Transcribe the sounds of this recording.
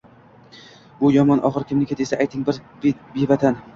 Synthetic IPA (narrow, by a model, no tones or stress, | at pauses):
ʊjɒmɒnʔɒ̰χɨɾkʲʰɪmnɪkʲet̪esaajt̪ʰɪŋbɪɾ | bebat̪ʰan